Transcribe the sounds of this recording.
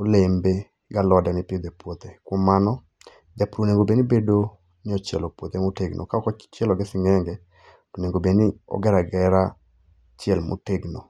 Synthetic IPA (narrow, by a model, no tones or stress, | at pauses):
olembe | ɡalɔdanɪpɪd̪ɛpwot̪ekwɔmanɔ | d̪ɛpɾoneŋɡobenibedo | nɪɔt͡ʃɛlɔpwot̪emoteɡnʔo̰kaɔkɔt͡ʃɛlɔɡɛsɪŋɛŋɡɛ | toneŋɡobeniɔ̰ɡɛɾaɡɛɾa | t͡ʃɛlmo̰teɡno